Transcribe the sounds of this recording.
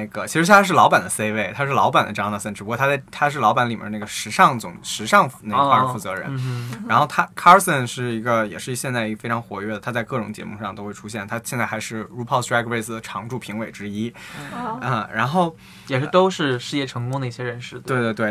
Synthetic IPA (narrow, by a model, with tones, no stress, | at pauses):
a˥˩ɡə˩t͡ɕʰi˧˥ʂɻ̩˧˥ɕ̬ɛ˥˩a˥ʂɻ̩˥˩lɑ˧˥ʊpa˨˩nd̪ə˦se˥ɪwe˥˩ɪt̪ʰa˥ʂɻ̩˥˩lɑ˧˥ʊpa˨˩nd̪ə̰˦˩ʈ͡ʂɑ˥ŋnɑ˥˧sə˥˩nʈ͡ʂɻ̩˩pu˧˥kwt̪ʰa˥t͡st̪ʰa˥ʂ̬ɻ̩˥˩lɑ˧˥pa˧˥nli˨˩mɛ̰˥nə˦na˥˩ɡə˩ʂɻ̩˧˥ʂɑ˥˧ŋt͡sʊ˨˩ŋʂɻ̩˧˥ʂɑ˥˧ŋfne˥˩˧a˥˧˥fu˥˩t͡sɤ̰˧˥ɻə̰˧˥˦nɻa˧˥nxo˥˩t̪ʰa˥kʰa˥sə˥˧nʂɻ̩˥˩i˧˥ɡə˧jɛ̰˨˩ʂɻ̩˥˩i˧˥ɕjɛ˥˧nt͡sa˥˩ɪi˧˥˩fe˥ʈ͡ʂʰɑ˧˥ŋxwɔ̰˧˥ɥɛ˥˩d̪ə˩t̪ʰa˥t͡sa˧ɪkɤ˥˩ʈ͡ʂʊ̰˨˧˥ŋt͡ɕjɛ̰˧˥mu˥˧ʂɑ˥˧ŋt̪o˥ʊxwe˥˩ɪʈ͡ʂʰu˥ɕ̬jɛ˥˩nt̪ʰa˥ɕjnt͡sa˥˩ɪxa˧˥ɪʂɻ̩˥˩ɻu˥pʰɑ˥˧sɹa˥kʰpe˥˩ɪs̩˨˩d̪ə˩ʈ͡ʂʰɑ˧˥ŋʈ͡ʂu˥˩pʰi˧˥ŋwe˨˩ɪʈ͡ʂɻ̩˥i˥ | ə˥˧ɻa˧˥nxo˥˩ʊ | jɛ˨˩ʂɻ̩˥˩t̪o˥ʊʂɻ̩˥˧ʂɻ̩˥˧jɛ˥˩ʈ͡ʂʰɤ˧˥ŋkʊ˥ŋd̪ə˧i˥˩ɕjɛ˥ɻə˧˥nʂɻ̩˥˩t̪we˥˧ɪt̪we˥˧t̪we˥˩